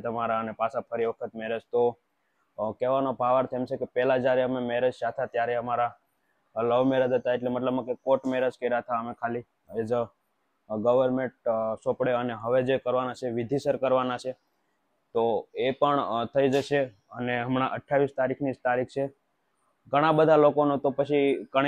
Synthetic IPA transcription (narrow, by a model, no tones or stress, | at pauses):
t̪əmaɾaənepasapʰəɾiʋəkʰət̪meɾet͡ʃt̪o | keʋanobʱaʋaɾt̪ʰemt͡ʃʰekepɛlad͡ʒjaɾeəmemeɾed͡ʒt͡ʃat̪ʰat̪jaɾeəmaɾa | ləʋmeɾəd͡ʒət̪aeʈlemət̪ləbnakekoʈmeɾəd͡ʒkəɾat̪ʰaəmekʰali | ed͡ʒ | ɡəʋəɾmẽɳʈsopɽeəneɦəʋed͡ʒekəɾʋanat͡ʃʰeʋid̪ʱisəɾkəɾʋanat͡ʃʰe | t̪oepəɳt̪ʰəid͡ʒəʃe | əneɦəmɳ̃aʔəʈʰːaʋist̪aɾikʰnid͡ʒt̪aɾikʰt͡ʃʰe | ɡʱəɽ̃abəd̪ʱalokonot̪opət͡ʃʰikəɳ